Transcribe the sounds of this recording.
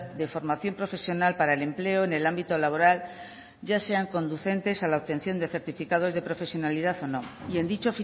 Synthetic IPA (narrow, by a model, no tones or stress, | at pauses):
d̪e̞fo̞ɾmaθjo̞mpɾo̞fe̞sjo̞nalpaɾaele̞mple̞oene̞lambit̪o̞laβo̞ɾal | ɟ͡ʝase̞aŋko̞nd̪uθe̞nt̪e̞salaoβ̚t̪e̞n̟θjo̞nd̪e̞θe̞ɾt̪ifikað̞o̞zðe̞pɾo̞fe̞sjo̞nalið̞aθo̞nõŋie̞nd̪it͡ʃofi